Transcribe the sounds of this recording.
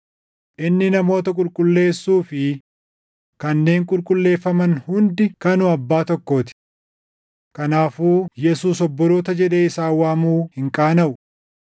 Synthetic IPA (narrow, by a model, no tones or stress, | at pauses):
ʔɪnːɪnɐmo̞ːt̪ɐkʼʊlkʼʊlːe̞ːsːuːfɪ | kɐnːe̞ːŋkʼʊlkʼʊlːe̞ːfːɐmɐnhʊnd̪ɪkɐnʊɐbːaːt̪ɔkːo̞ːt̪ɪ̥ | kɐnaːfuːjɛsuːsɔbːɔɾo̞ːt̪ɐd͡ʒɛᶑe̞ːɪsaːwaːmuːhɪŋkʼaːnɐʔʊ